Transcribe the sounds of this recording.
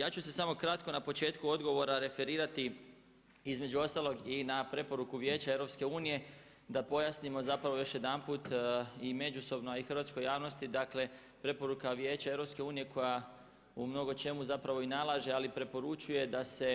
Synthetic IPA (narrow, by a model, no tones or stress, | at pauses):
jaːt͡ʃuse̞samo̞kɾat̪ko̞napo̞t͡ʃe̞ːt̪kuo̞d̪ɡo̞ʋo̞ɾaɾe̞fe̞ɾiːɾat̪i | izme̞d͡ʒuo̞st̪alo̞ɡinapɾe̞po̞ɾukuʋje̞ːt͡ɕaevɾo̞pske̞uːnije̞ | d̪apo̞jasnimo̞zapɾaʋo̞jo̞ʃje̞d̪anpuːt̪ime̞d͡ʒuso̞bnoixɾʋat̪sko̞jaːʋno̞st̪id̪akle̞ | pɾe̞po̞ɾukaʋje̞ːt͡ɕae̞ʋɾo̞pske̞uːnije̞kʰo̞ja | umno̞ɡo̞t͡ʃe̞muzapɾaʋoinalˠaːʒe̞alipɾe̞po̞ɾut͡ʃuje̞d̪ase̞